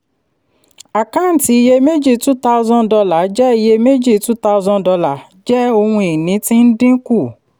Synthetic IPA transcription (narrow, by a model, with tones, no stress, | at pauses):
a˨kã˦˨n̩˨ti˨˦i˧je˧me˦d͡ʒi˦˨tu˦ta˦u˧zɔ̃˦n˨dɔ˧la˨˦d͡ʒɛ˦i˧je˧me˦d͡ʒi˦˨tu˦ta˦u˧zɔ̃˧n˨dɔ˧la˨ | d͡ʒɛ˦o˧hũ˧i˨nĩ˨˦tĩ˦n̩˦dĩ˦ku˦˨